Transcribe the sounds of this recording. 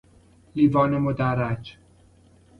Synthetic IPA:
liːvɒːnemod̪æɾæd͡ʒ

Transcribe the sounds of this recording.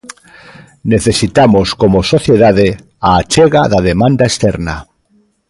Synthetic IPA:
neθesit̪amoskomosoθjeðaðe | aːt͡ʃeɣaðaðemãnd̪aest̪eɾna

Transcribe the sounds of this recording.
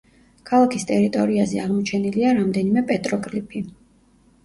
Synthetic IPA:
kʰalˠakʰist̪ʼɛɾit̪ʼɔɾiazɛaʁmɔt͡ʃʰɛniliaɾamd̪ɛnimɛpʼɛt̪ʼɾɔkʼlipʰi

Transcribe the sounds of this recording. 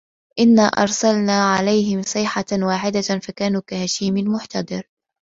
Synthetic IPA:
ʔɪnːaːʔɑ̰ɾˤsalnaːʕalajɦɪmsˤɨːħawaːħɪd̪afakaːnuːkahaʃiːmɪnmʊħt̪ɑd̪ˤɨɾ

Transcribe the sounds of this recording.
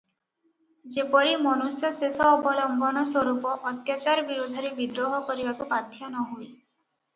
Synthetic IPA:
d͡ʒepɔɾimɔnusjɔsesɔːbɔlɔmbɔnɔswɔɾupɔʔːt̪jat͡ʃaɾɔbiɾud̪ʱːɔɾebid̪ɾoɦɔkɔɾibakupad̪ʱjɔnɔɦuj

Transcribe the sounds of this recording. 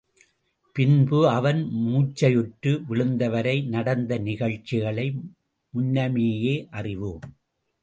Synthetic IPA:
pɪnbɯɐʋɐnmuːt͡ʃːɐjʊʈɾɯʋɪɭɯnd̪ɐʋɐɾɐɪnɐɽɐnd̪ɐnɪɣɐɭt͡ʃːɪɣɐɭɐɪ | mʊnːɐmeːjeːʔɐrɪʋɯm

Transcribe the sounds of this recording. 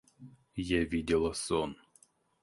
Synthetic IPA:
jɛvʲidʲɪlˠɐsɔn

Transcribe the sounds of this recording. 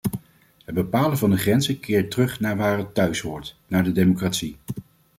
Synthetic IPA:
ɦəd̚bəpaːlənvɑndəχrɛnzəkʰɪːɹtərɵχnaːɹʋaːrətːœɥsʋʊːɹt | naːɹdədejmokraːtsi

